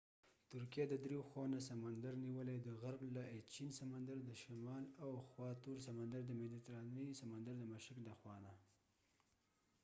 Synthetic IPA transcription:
t̪ʊɾkijed̪əd̪ɾeoxwanasamand̪aɾniwəled̪əɣaɾblaet͡ʃinsamand̪aɾd̪əʃamɑlawxwɑt̪uɾs̬amand̪aɾd̪əmed̪it̪ɾɑnəsamand̪aɾd̪əmaʃɪkd̪axwɑna

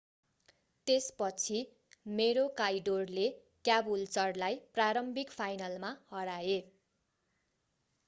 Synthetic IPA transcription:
t̪espʌt͡sʰi | meɾokajɖorle | kjabult͡sʌrlajpraɾʌmbʱikpʰajnʌlmahʌɾae

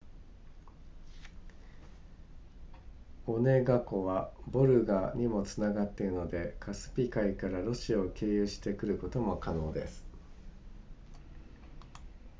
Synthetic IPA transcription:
o̞ne̞ɡako̞βabo̞ɾɯ̟ɡaɲ̟imo̞t͡sɨnaɡat̪ːe̞ɾɯ̟no̞d̪e̞kʰasɨ̥pʲikaikaɾaɾo̞ɕiaoke̞ːjɯ̟ːɕi̥t̪e̞kɯ̟ɾɯ̟ko̞t̪o̞mo̞kano̞ːd̪e̞̰sɨ̥

